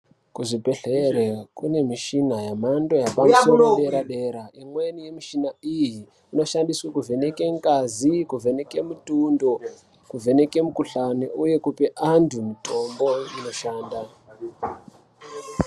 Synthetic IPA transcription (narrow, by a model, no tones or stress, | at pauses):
kuʐibʱe̞ɬeɾekune̞miʃinajamando̞japamusoɾoɗe̞ɾaɗe̞ɾaimwenije̞miʃinaiji | ino̞ʃandiswakuvʱe̞nekeŋkazikuvʱe̞ne̞ke̞mutundo̞ | kuvʱe̞ne̞kemukuɬaniʔuje̞kupeʔantʰumito̞mbo̞ino̞ʃaːnda